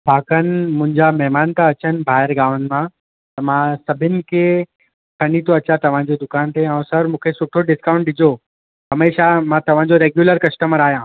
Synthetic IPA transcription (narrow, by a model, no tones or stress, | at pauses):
bʱaːkənɪ̆mʊ̃ɦɪ̃ɲd͡ʑamɛɦmaːnt̪aɐt͡ɕənɪ̆bʱaːɦɪɾɡaːʋənɪ̆mã | t̪ɐmãsɐbʱɪnɪ̆kʰe | kʰɐnit̪oɐt͡ɕat̪ɐʋ̤ãd͡ʑod̪ʊkaːnt̪eãũsɐɾmũːkʰesʊʈʰoɖɪskãʊ̃ɳʈɗɪd͡ʑʱo | ɦɐmeːʃamãt̪ɐʋ̤ãd͡ʑoɾeːɡjuːləɾkɐsʈəməɾaːɦijãː